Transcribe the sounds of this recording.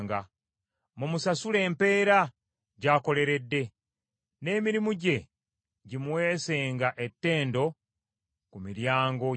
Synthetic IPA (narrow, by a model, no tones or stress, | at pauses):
ŋɡa | mumusasule̞ːmpe̞ːɾa | ɟaːko̞le̞ɾe̞dːe̞ | ne̞ːmiɾimuɟe̞ | ɟimuwe̞ːse̞ːŋɡaʔe̞tːe̞ːndo̞ | kumiɾjaːŋɡo